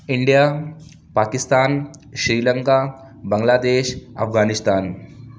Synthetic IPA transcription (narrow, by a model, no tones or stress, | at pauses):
iɳɖijaː | paːkist̪aːnʃɾiːlɐŋkaː | bɐŋɡlaːd̪eːʃɐ̰p̚ʰɡaːnist̪aːn